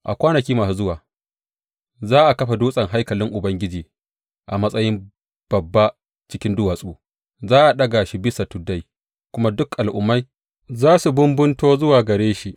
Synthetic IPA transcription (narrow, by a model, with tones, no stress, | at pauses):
ʔa̰˨kʷaː˦nɐ˨kʲiː˦maː˨su˨zʊ˦waː˨ | zaː˦ʔa˨kɐ˦ɸa˨duː˦sʼɐ˨ŋɦa˦jkɐ˨lɪ˦ŋʔʊ˨bɐ˦ŋɡʲɪ˦d͡ʒiː˨ | ʔa˨mɐ˦sʼɐ˦jɪ˦m | b̥ɐ˨bːa˦ | t͡ʃɪ˦kʲɪ˦ndʊ˦waː˨sʼuː˦ | zaː˦ʔa˨ɗɐ˦ɡa˨ʃi˦bɪ˦sa˨tʊ˨dːa˦j | kʷʊ˦ma˦dʊ˦kʔa˨lʔʊ˦mːa˦j | zaː˦su˨bʊ˦mbʊ˦ntoː˦zʊ˦waː˨ɡɐ˨ɾeː˦ʃi˦ʔ